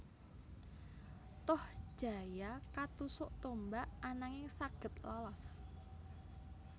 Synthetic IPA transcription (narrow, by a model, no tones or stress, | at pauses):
t̪ɔhʒ̥a̤jakat̪usʊʔt̪ombaʔanaŋɪŋsaɡ̥ə̤t̪lalɔs